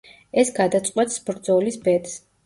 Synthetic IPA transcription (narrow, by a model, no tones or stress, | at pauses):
ɛsɡad̪at̪sʼqʼwɛt̪ʰsbɾd̪zɔlisbɛt̪s